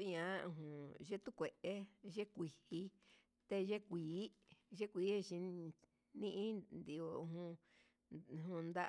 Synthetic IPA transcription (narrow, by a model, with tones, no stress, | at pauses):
ɲã˨˦˧ɦũ˨ʒe˦t̪u˦kʷe˨ʔe˦ʒe˦kʷi˨hi˧ | t̪e˧ʒe˦kʷiː˨˦ʒe˦kʷiː˨˦e˦˧t͡ʃĩ˧ | nĩ˦ʔĩ˦nd̪i˨o˧ɦũ˧˨ | ɦũ˧nd̪a˦